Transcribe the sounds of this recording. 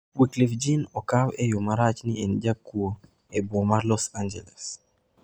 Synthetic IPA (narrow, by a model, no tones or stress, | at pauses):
wiklifd͡ʒinɔkawɛjʊmaɾat͡ʃniɛnd͡ʒakːuo | ɛbɔmaɾlɔsand͡ʒɛlɛs